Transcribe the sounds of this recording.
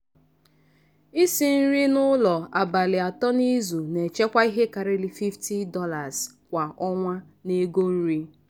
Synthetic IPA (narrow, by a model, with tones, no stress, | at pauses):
i˦si˨n̩˦ɾi˦nʊ˦lɔ˨a˨ba˨lɪ˨a˨tɔ˦ni˦zu˨ne˨t͡ʃe˦kʷa˦i˦ɦe˦ka˨ɾe˦li˦fi˦fti˦dɔ˦la˨z̥ | kʷa˨ʔɔ˦ŋʷa˦ | ne˦ɡo˦n̩˦ɾi˦